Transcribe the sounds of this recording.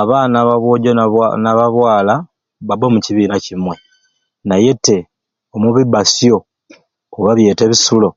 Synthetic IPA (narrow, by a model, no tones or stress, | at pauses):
aβaːnaβaβwoɟoanaβaβwaːla | βabomuciβiːnacimwe̞ | naje̞te̞ | omuβibasjo̞ | oβaβje̞ːte̞βisulo̞